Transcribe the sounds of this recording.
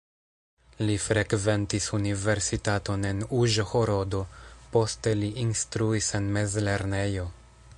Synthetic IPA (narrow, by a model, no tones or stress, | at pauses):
lifɾekve̞ntisunive̞ɾsitato̞ne̞nuʒohoɾo̞do̞po̞ste̞liʔinst̪ɾuise̞nme̞zle̞ɾne̞jo̞